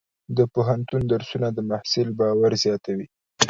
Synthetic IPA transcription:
d̪əpoɦant̪und̪aɾsunad̪əmahsɪlbɑwaɾzjɑt̪awi

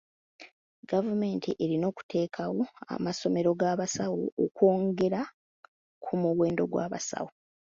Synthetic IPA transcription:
ɡavume̞ːntʰiʔe̞ɾino̞ːku̥tʰe̞ːkʰawo̞a̰maso̞me̞ɾo̞ɡaːβasawoːkwo̞ːŋɡe̞ɾa | kʰumuweːndo̞ɡwa̰ːβa̰sa̰wo

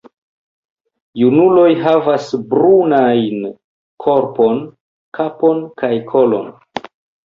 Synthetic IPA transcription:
junulo̞jɦavasbɾunajn | kʰo̞ɾpo̞n | kʰapo̞nkajkʰolo̞̰n

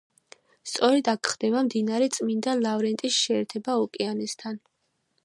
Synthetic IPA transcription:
st̪sʼɔɾɛd̪akʰχd̪̥ɛbamd̪inaɾɛt̪sʼmind̪alavɾɛnt̪ʼisʃɛːɾt̪ʰɛbaɔkʼɛanɛst̪ʰan

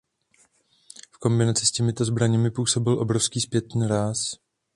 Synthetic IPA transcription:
fko̞mbɪnat͡sɪscɛmɪt̪o̞zbɾaɲɛmɪpuːso̞bɪlʔo̞̰bɾofskiːspjɛt̪niːɾaːs

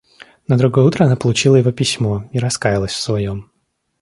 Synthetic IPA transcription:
nəd̪ɾʊɡo̞jəut̪ɾəɐnapəlˠʊt͡ɕilˠəjɪvopʲɪsʲmo̞iɾɐskajɪlˠəsʲfsvɐjo̞m

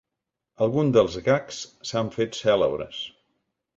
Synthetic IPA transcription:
əlˠɣund̪əlˠzɣakssaɱfet̪sɛlə̰βɾə̰s

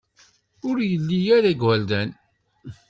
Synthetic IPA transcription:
ʊɾjəlːijæɾæɡwæld̪æn

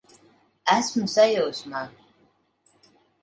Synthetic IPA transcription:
æsmsajowsma

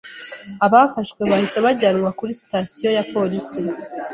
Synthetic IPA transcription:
aβafaʃkwe̞βahise̞βaɟaɾuɾakuɾisi̥tasijo̞japo̞lisi

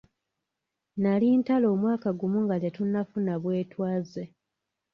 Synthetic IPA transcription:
naliːntalo̞ːmwaːkaɡumuŋɡaljatunːafunaβwe̞ːtwaːze

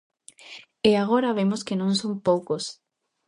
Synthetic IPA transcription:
eaɣ̞oɾaβemoskenõŋsõmpowkos

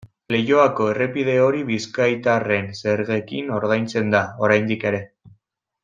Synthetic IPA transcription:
le̞jo̞ako̞e̞re̞pið̞e̞o̞ɾiβiskajt̪are̞nse̞ɾɣe̞kino̞ɾðajnt͡se̞nd̪ao̞ɾajnd̪ike̞ɾe̞

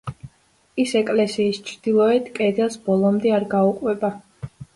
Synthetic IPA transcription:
isɛkʼlɛsiːst͡ʃʰɾd̪ilˠɔɛt̪ʰkʼɛd̪ɛsbɔlˠɔmd̪ɛaɾɡauqʼwɛba

